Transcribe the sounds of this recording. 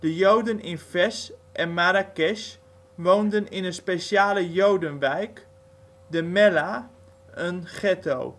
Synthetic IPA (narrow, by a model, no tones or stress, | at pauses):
d̥əjowdənɪnfɛsʔɛnmaɾakɛʃ | ʋowndənɪnənspeʃjaːləjowdənʋɛjk | dəmɛla | ənχɛto̰ː